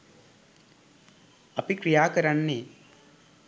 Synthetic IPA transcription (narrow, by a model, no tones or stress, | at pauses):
ɐpikɾijaːkɐɾɐnːeː